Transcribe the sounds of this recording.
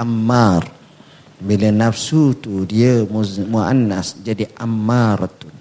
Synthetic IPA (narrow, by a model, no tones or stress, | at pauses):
ʔamːar | bilənafsut̪udiəmua̰nːasd͡ʒadiʔamːart̪u